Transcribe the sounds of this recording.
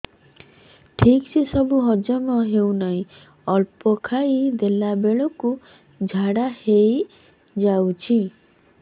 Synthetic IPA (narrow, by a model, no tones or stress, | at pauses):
ʈʰiksesɔbuɦɔd͡ʒɔmɔɦewnaɦĩ | ɔlpɔkʰajd̪elabeɭɔku | d͡ʒʱaɽahej | d͡ʒawt͡ʃʰi